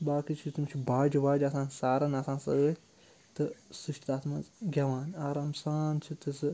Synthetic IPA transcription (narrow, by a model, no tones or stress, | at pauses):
baːkit͡ʃʰit̪umt͡ʃʰibaːd͡ʒibaːd͡ʒɐsãːnsaːɾɐnɐsãːnsɐɡe | t̪ɨsɨʃʈid̪aːt̪mazɡʲɐʋaːnaːɾaːmsaːnt͡ʃʰit̪ɨsɨ